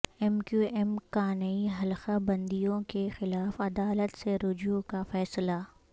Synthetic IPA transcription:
ɛmkjuːɛmkaːnɐiɦɐlxabɐ̃nd̪ijõkexɪlaːfɐd̪aːlət̪seɾʊd͡ʒjõkafɛːsla

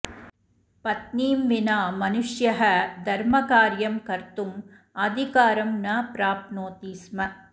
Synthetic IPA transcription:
pɐt̪niːmʋinaːmɐnuʂjɐɦɐd̪ʱɐɾmɐkaːɾjɐmkɐɾt̪um | ɐd̪ʱikaːɾɐmnɐpɾaːp̪noːt̪iːsmɐ

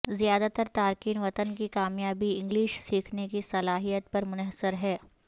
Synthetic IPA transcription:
zijaːd̪at̪əɾt̪aːɾkiːnʋɐt̪ənkikaːmjaːbiɪ̃ŋɡliːʃsiːkʰnekisɐlaːɦijət̪̚pɐɾmʊnəɦsəɾɦɛː

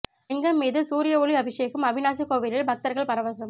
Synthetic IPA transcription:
ɪŋɡɐmːiːðɯsuːɾɪjɐoːɭiɐbɪʂeːɣɯmɐʋɪnaːsikoːʋiɾɪlbʱɐk̚t̪ɐɾɣɐɭpɐɾɐʋɐsɐm

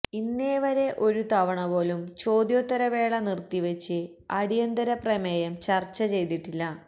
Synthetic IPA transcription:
inːe̞ːʋɐɾe̞ʔo̞ɾut̪ɐʋɐɳɐbo̞ːlumt͡ɕo̞ːd̪joːt̪ːɐɾɐʋe̞ːɭɐnirt̪iʋet͡ɕːɨ | ɐɽijɐnd̪ɐɾɐpremɐjɐmt͡ɕɐrt͡ɕːɐt͡ɕe̞jt̪iʈːilːɐ

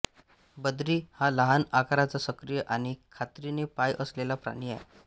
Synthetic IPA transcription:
bəd̪ɾiːhaləɦanakaɾat͡sasəkɾijəʔaɽ̃ikʰat̪ɾinepajʔəslelapɾa̰ɽ̃iaj

